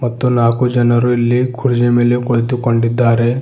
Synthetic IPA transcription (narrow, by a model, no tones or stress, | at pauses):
mɐt̪ːunaːkud͡ʒɐnɐɾuilːikʰuɽd͡ʒemelekoɭit̪ukɐɳɖid̪ːaːɾe